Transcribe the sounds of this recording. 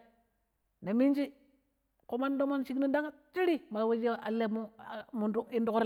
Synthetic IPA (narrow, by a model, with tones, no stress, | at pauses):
ne˨mi˦nd͡ʒi˦ | ko˨˦ma˦ndo˦ma˦nʃi˦kni˦da˦ŋa˦t͡ʃi˦ɾi˦ma˨we˦d͡ʒe˦a˨lːe˦mu˦˨mu˨ndu˦i˦ndu˨kɾ